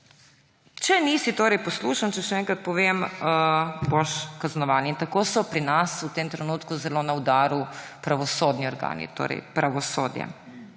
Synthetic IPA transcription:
t͡ʃɛnisit̪oːɾɛjpɔsluʃant͡ʃɛʃɛɛŋkɾat̪̚pɔʋeməboʃkaznɔʋaːniint̪akoːsɔpɾinasut̪eːmt̪ɾɛnuːt̪kuzɛloːnaud̪aːɾupɾaʋɔsoːd̪niɔɾɡa̰nḭt̪o̰ːɾɛ̰jpɾaʋɔsoːd̪jɛ̰

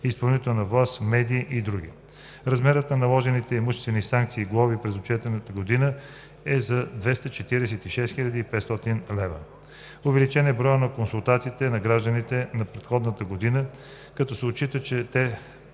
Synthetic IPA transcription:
ispɐlˠnit̪ɛlˠnɐvlˠasmɛd̪iːʔid̪ɾuɡ̟ḭ | ɾɐzmɛɾət̪nɐnɐlˠɔʒɛnit̪ɛimuʃt̪ɛst̪vɛnisaŋk̚t̪siːɡlˠɔvipɾɛzot͡ʃɛt̪ɛnət̪əɡod̪inə | ɛzɐd̪vɛst̪ət͡ʃɛt̪iɾɛsɛt̪iʃɛst̪xiʎʲad̪iːpɛt̪st̪ɔt̪inlɛvə | ovɛlit͡ʃɛnɛbɾɔjənɐkonsulˠt̪at̪siːt̪ɛnɐɡɾaʒd̪ənit̪ɛnɐpɾɛt̪xɔd̪nət̪əɡod̪inə | kɐt̪ɔsɛott͡ʃit̪ət͡ʃɛt̪ɛ

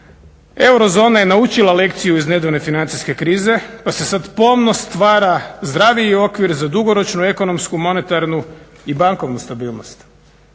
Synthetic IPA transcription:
e̞wɾo̞zo̞ːnaje̞naut͡ʃilˠalekt̪sijuizne̞d̪one̞finant̪iske̞kɾiːze̞pase̞sad̪po̞mnost̪ʋaːɾazd̪ɾaʋiio̞kʋiɾzad̪uɡo̞ɾo̞t͡ʃnue̞ko̞no̞mskumo̞ne̞t̪aɾnu | ibaŋko̞ʋnust̪abiːlˠno̰st̪

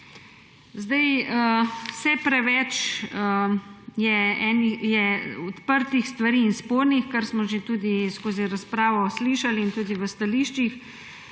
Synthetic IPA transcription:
zd̪ajəsɛpɾɛʋɛt͡ʃ | jɛɛːnijɛɔt̪pəɾt̪ixst̪ʋaɾiːnspoːɾnixkəɾsmɔʒet̪uːd̪iskoːziɾaspɾaːʋɔsliʃaliːnt̪uːd̪iʋəst̪aliʃt͡ʃix

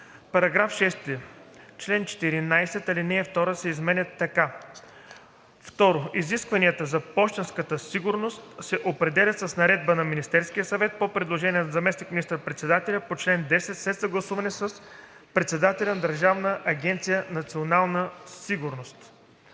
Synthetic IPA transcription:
pɐɾɐɡɾafʃɛst̪ɛt͡ʃlɛnt͡ʃɛ̥t̪iɾinajsɛt̪ɐlinɛɛft̪ɔɾəsɛizmɛnʲət̪ːɐka | ft̪ɔɾoiziskvɐniət̪əzɐbɔʃt̪ɛnskət̪əsiɡʊɾnost̪sɛʔopɾɛd̪ɛlʲɐt̪sɐsnɐɾɛd̪̚bənɐminist̪ɛɾskijəsɐvɛt̪̚popɾɛd̪lˠoʒɛniɛnɐzɐmɛsnikminist̪əɾpɾɛt̪sɛd̪at̪ɛlʲɐpot͡ʃlɛnd̪ɛsɛt̪slɛt̪sɐɡlˠɐsuvɐnɛsəs | pɾɛt̪sɛd̪at̪ɛlʲɐnɐd̪ɐɾʒavnəʔɐɡʲɛnt̪sijənɐt̪sionalˠnəsiɡuɾnost̪

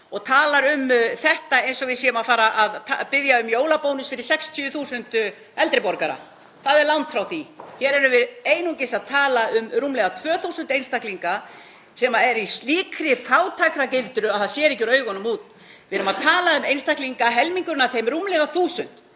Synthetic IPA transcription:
ɔɣt̪ʰaːlaɾʏmθɛht̪aejnsɔvɪðsɛːʏmaðfaːɾaʔaðt̪ʰapɪðjaʏmjoːwlapownʏsfɪɾɪ̥ɾ̥sɛkst̪ʰyʏθuːsʏnt̪ | ɛlt̪ɾɪpɔɾkaɾa̰ | θaðɛɾlawnt̪fɾawθiçɛɾɛɾʏvɪðeːjnucɪsaðt̪ʰaːlaʏmruːmlɛɣat̪ʰvœːθusʏnt̪ejnst̪ahkliŋka | sɛmaɛɾisliːkɾɪfaːwt̪ʰajkɾacɪlt̪ɾʏaθaðsjɛːɾɛhcːʏɾœːɥɣɔnʏmuːt̪ | vɪɾʏmaðt̪ʰaːlaʏmejnst̪akliŋkaɦɛlmiŋkʏɾnaθejmrumlɛɣaθuːsʏn̥t̪

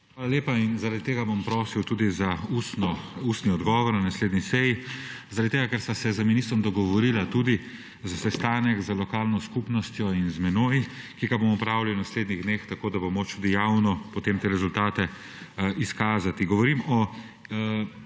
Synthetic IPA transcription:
xxʋaːlaleːpainzaɾad̪it̪eːɡabɔmpɾoːsiwt̪uːd̪izaust̪nɔust̪niɔd̪ɡɔːʋɔɾnanasleːd̪nisɛjizaɾad̪it̪eɡakɛɾst̪asɛzaminist̪ɾɔmd̪ɔɡɔʋɔɾiːlat̪uːd̪i | zasɛst̪aːnɛɡzalɔkaːlnɔskupnɔst̪jɔinzmɛnoj | kiːɡabomɔpɾawliwnasleːd̪niɣd̪neːxt̪akoːd̪abomot͡ʃt̪uːd̪ijawnɔpɔt̪eːmt̪eːɾɛzult̪aːt̪ɛ | iskaːzat̪iɡɔʋɔɾimɔ

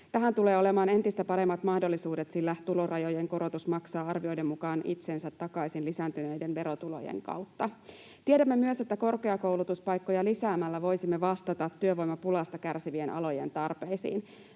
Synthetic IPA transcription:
t̪æɦænt̪ule̞ːo̞le̞mɑːne̞nt̪ist̪æpɑɾe̞mːɑt̪mɑhdo̞lːisuːdet̪silːæt̪ulo̞rɑjo̞je̞ŋko̞ɾo̞t̪usmɑksɑːɑrʋio̞jde̞mːukɑːnḭt̪sensæt̪ːɑkɑisinlisæːnt̪yne̞jdenʋe̞ɾot̪ulo̞̰jḛŋkɑ̰wt̪ːɑ | t̪iedæmːe̞myøse̞t̪ːæko̞rke̞ɑko̞wlut̪uspɑjkːojɑlisæːmælːæʋo̞jsimːeʋɑst̪ɑt̪ɑt̪ːyøʋo̞jmɑpulɑst̪ɑkærsiʋienʔɑ̰lo̞jent̪ɑrpe̞jsḭːn

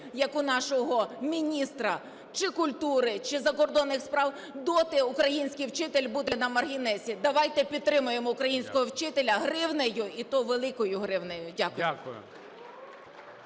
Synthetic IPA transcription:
jɐkʊnɑʃɔɦɔmʲinʲist̪ɾɐ | t͡ʃɪkʊlʲt̪uɾɪt͡ʃɪzɐkɔrd̪ɔnːɪxspɾɑw | d̪ɔt̪ɪʊkɾɐjinʲsʲkɪjwt͡ʃɪt̪elʲbud̪enɐmɐrɦʲinɛsʲid̪ɐʋɑjt̪ɛpʲid̪t̪ːɾɪmʊjemɔʊkɾɐjinʲsʲkɔɦɔwt͡ʃɪt̪elʲɐɦɾɪwnejʊit̪ɔʋelˠɪkɔjʊɦɾɪwnɛjʊdʲakʊjʊkj̰

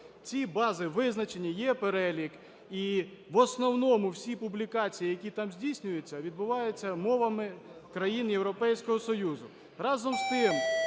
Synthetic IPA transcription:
t͡sʲibɑzɪʋɪznɐt͡ʃenʲːijɛpeɾɛlʲik | i | ʋɔsnɔwnɔmʊwsʲipublʲikɑt͡sʲijijɐkʲit̪ɑmzʲdʲijsʲnʲʊjʊt͡sʲːɐʋʲid̪̚bʊʋɑjet͡sʲːɐmɔʋɐmɪkɾɐjinjewɾɔpɛjsʲkɔɦɔsɔjuzʊ | rɑzɔmst̪ɪm

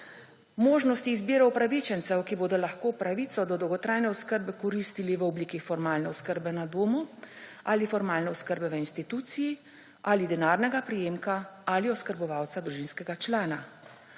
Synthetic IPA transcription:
moːʒnɔst̪iːzbiːɾɐwpɾaʋit͡ʃɛnt̪sɛwkiboːd̪ɔlaxkoːpɾaʋiːt̪sɔd̪ɔd̪ɔwɡɔt̪ɾaːjnɛɔskəɾbɛkɔɾist̪iliʋəɔbliːkixfɔɾmaːlnɛɔskəɾbɛnad̪oːmualifɔɾmaːlnɛɔskəɾbɛʋəinst̪it̪uːt̪siji | alid̪ɛnaːɾnɛɡapɾijeːmkaaliɔskəɾbɔʋawt̪sad̪ɾuʒiːnskɛɡat͡ʃlaːna

